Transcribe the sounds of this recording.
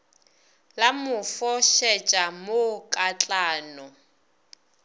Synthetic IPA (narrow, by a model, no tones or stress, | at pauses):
lamʊfɔʃɛt͡ʃʼamokʼat͡ɬʼaːnɔ